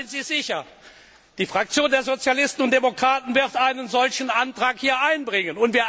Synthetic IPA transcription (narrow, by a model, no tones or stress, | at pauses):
ɪntz̥iːzɪçɐ | d̥iːfʁ̥ak̚t͡sjoːndeːɐzot͡sjalɪstn̩ʊnt̚d̥emokʁ̥aːtn̩vɪɐtaɪnənzɔlçn̩ʔantʁ̥aːkhiːɐaɪnbʁɪŋənʊntv̥iːɐ